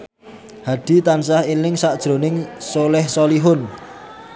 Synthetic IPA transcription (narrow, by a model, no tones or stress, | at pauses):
haɖ̥i̤t̪ansahilɪŋsaʔd̥ʒ̥ɾo̤nɪŋsolɛhsoliɦʊn